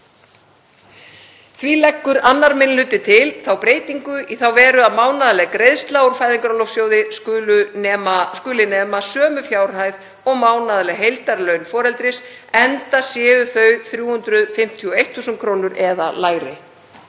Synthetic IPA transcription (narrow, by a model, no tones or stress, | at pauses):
θvilɛkːʏɾanːaɾmɪnlʏːt̪ɪt̪ʰɪlθawpɾeːjt̪iŋkʏʔiθawvɛːɾʏaðmaːwnaðalɛɣkɾejðst̪laːwʊɾ̥faːjðiŋkɾalowfsjoːwðɪsʏːʏ | skʏːlɪnɛːmasœːmʏfjaːwɾ̥hajv | ɔɣmaːwnaðalɛɣɦejlt̪aɾlœɥnfɔːɾɛlt̪ɾɪsɛnt̪asjɛːðʏθœɥθɾjuːhʏnt̪ɾʏðfɪm̥t̪ʰiɔejht̪θuːsʏnkʰɾoːwnʏɾʔɛða̰laːjɾɪ̰